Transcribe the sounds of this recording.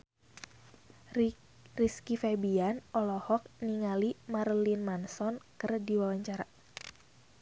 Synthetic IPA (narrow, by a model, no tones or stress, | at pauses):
riskifɛbianɔlɔhɔk̚niŋalimarlinmansɔnkɨrdiwawaɲt͡ʃaɾa